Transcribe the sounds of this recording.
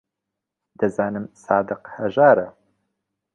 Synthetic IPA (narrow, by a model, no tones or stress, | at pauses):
d̪ɨzaːnɨmsaːd̪ɨqhɐʒaːɾɐ